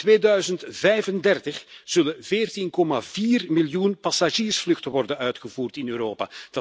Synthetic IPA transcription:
tʋeːdœɥzəntvɛjvəndɛrtəxz̥ɵləveːrtinkɔmaviːrmɪljunpasaʒiːrsflɵxtəʋɔrdənœɥtxəvuːrtɪnøːɾoːpa̰d̥ɑ

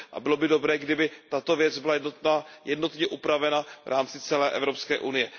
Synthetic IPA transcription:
ʔa̰bɪlo̞bɪdo̞bɾɛːɡdɪbɪt̪at̪o̞vjɛd͡zbɪlaajɛdno̞t̪ɲɛʔupɾavɛnavɾʔaːmt͡sɪt͡sɛlɛːʔɛ̰vɾopskɛ̰ːʔunɪjɛ

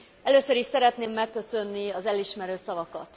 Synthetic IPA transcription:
ɛløːsøɾiʃsɛɾɛt̪neːmːɛkːø̞sønːiɒzɛliʃmɛɾøːsɒvɒkɒt̪

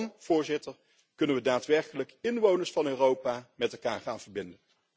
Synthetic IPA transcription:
nv̥ʊːɹzɪtəɹ | kɵnənʋədaːtʋɛɹkələkɪnʋownəɹsfɑnøːrowpaːmɛtɛlˠkaːɹχaːnvəɹbɪndən

